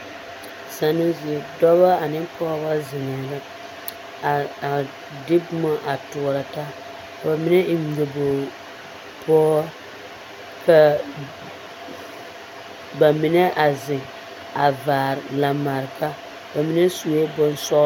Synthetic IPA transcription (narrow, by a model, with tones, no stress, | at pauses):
sa˨no˦zi˨e˨dɔ˦βa˦a˨nɪ˦pɔː˦ba˦zɪ˨ŋɛ˨la˦˨ | dɪ˦bʊ˦ma˦ʔa˨tʊ˨ɾa˨ta˦ | ba˨mɪ˦nɛ˦ŋ̩˨˦ɡe˨bo˨ | pʰɔː˦ | ka˦ | ba˨mi˨nɛ˦ʔa˨zɪ˨ | a˨vaː˨ɾɪ˨la˨ma˨ɾɪ˨ka˦ | ba˨mi˦nɛ˦su˨˦e˦bʊ˦nsɔ˦